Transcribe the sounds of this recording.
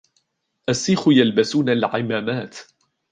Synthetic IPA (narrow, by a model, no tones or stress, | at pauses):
ʔasːiːxʊjalbasuːnalʕɪmaːmaːt̪